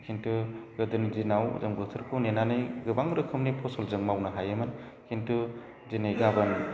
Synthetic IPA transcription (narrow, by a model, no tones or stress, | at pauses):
kʰintuɡɯdɯnizinawzɯŋbɯtʰɯɾkʰɯwnenanɯjɡɯbaŋɾɯkʰɯmnipʰɔsɔlzɯŋmawnɐɦajɐmɯn | kʰintu | zinejɡabɯn